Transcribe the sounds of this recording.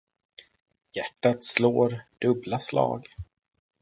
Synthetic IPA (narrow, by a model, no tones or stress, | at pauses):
jæʈːat̪sloːɾd̪̥ɵblaslɑ̰ːɡ